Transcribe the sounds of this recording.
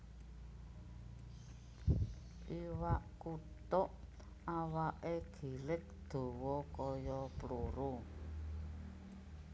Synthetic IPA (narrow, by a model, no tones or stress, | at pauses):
ʔiwaʔkut̪ʊʔ | awaʔeɡ̥i̤lɪk̚d̪̥o̤wɔkɔjɔpluɾu